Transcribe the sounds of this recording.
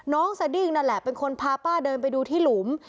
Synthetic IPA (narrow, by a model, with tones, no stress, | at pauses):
nɔː˦˥ŋsa˧di˥˩ŋna˧˩lɛ˨˩pe˧nkʰo˧npʰaː˧paː˥˩dɤː˧np̬a˧jduː˧t̪ʰiː˥˩lu˩˦m